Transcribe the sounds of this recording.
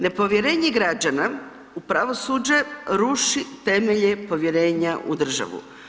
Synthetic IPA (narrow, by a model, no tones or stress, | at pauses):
ne̞po̞ʋje̞ɾe̞ːɲeɡɾad͡ʒana | upɾaʋo̞suːd͡ʒeɾuʃit̪e̞meʎepo̞ʋje̞ɾe̞ːɲaʔṵd̪r̩ʒa̰ʋṵ